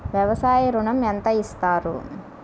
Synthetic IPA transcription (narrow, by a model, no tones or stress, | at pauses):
ʋjɐʋɐsaːjiɾuɳɐmɐnt̪ɐist̪aːɾṵ